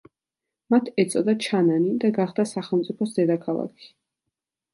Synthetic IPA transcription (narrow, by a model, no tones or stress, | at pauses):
mat̪ʰɛt̪sʼɔd̪at͡ʃʰananid̪aɡaχd̪asaχɛlˠmt̪sʼipʰɔsd̪ɛd̪akʰalˠa̰kʰi̥